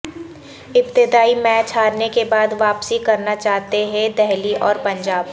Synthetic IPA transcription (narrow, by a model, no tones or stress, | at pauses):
ɪpt̪ɪd̪aːimɛːt͡ʃɦaːɾnekebaːd̪ʋaːpsikɐɾnat͡ʃaːɦt̪eɦɛ̃d̪ɛɦliʔɔːɾpɐ̃ɲd͡ʒaːb